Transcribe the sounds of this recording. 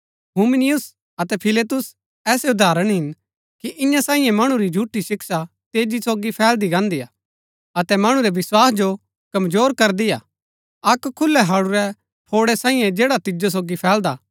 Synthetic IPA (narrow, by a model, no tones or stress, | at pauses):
ɦuːmɪnɪjʊs | ɐt̪ɛpʰɪleːt̪ʊs | ɛːseʊd̪ʱaːɾəɽ̃ɦɪn | kiʔɪ̃jãsaːĩjɛ̃mɐɽ̃ũɾid͡ʒʱuːʈːiʃɪksa | t̪eːd͡ʒisoːɡipʰɛːld̪iɡãːnd̪ija̰ː | ɐt̪ɛmɐɽ̃uɾɛʋɪswaːsd͡ʒo | kɐmzoːɾkɐɾd̪ija̰ | ɐkkʰːʊlːɛɦɐːɽuɾɛ | pʰoːɽɛsãːĩːɛ̃d͡ʒeːɽat̪ɪd͡ʒos̬oːɡipʰɛːld̪aː